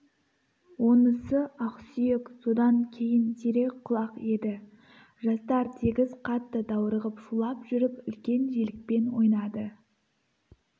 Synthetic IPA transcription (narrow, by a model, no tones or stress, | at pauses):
wo̞nəsəɑqsʏjekso̞d̪ɑŋkʲʰe̞jɪnd̪ʰeɾe̞kqʰʊlˠɑqe̞d̪ɪ | ʒɑst̪ɑɾt̪ʰe̞ɡʲɪzqʰɑt̪ːəd̪ɑwəɾəʁəpʃulˠɑpʒʏɾɪpʏlkʲe̞nʒe̞lɪk̚pe̞nwo̞jnɑd̪ə